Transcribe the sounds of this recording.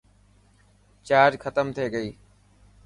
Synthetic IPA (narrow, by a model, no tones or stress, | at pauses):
t͡ɕaːɾkʰət̪əmt̪ʰeːɡəiː